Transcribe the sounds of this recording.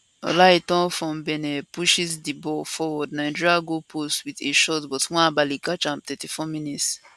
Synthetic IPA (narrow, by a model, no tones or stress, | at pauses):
ɔ̰laitɔ̃nfɹɔ̃mbɛnɛpuʃisdibɔfɔwɔd̚naɪd͡ʒiɹiaɡopʰostwiteʃɔtbɔtwɛ̃nabalikat͡ʃãmtɛtifɔminits